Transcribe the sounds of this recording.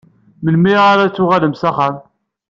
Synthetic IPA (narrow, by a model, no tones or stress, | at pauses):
məlmiaɾat͡sːʊʁæləmsæχæm